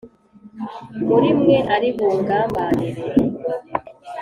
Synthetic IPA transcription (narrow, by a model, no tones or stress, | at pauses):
muɾimweʔaɾiβoːɡaːmaːni